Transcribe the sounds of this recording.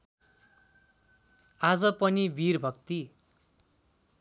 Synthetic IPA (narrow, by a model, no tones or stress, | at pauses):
ad͡zʌpʌnibirbʱʌkt̪i